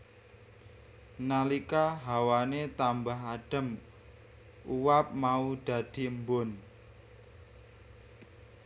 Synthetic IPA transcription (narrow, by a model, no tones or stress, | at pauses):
nalikaɦawanet̪ambaɦaɖ̥ə̤m | ʔuwap̚maud̪̥ä̤d̪̥i̤əmbʊn